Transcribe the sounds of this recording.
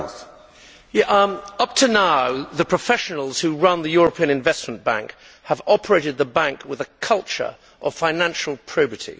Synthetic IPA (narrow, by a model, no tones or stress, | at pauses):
ʌp̚tʰənaʊðəpʰɹ̥əfɛʃənl̩ˠz̥hʉɹʌ̃nðɨjɔɹəpʰĩɨ̃ñɨ̃ɱvɛsm̃nb̥æ̰̃ŋk | həvɑpʰə˞eɪɾɨd̪̚ðəbæ̃ŋkwɪðəkʰʌlˠt͡ʃə̰˞ | ʔəv̥fãɪ̃næ̃nʃl̩ˠpʰɹ̥əʊpətʰḭ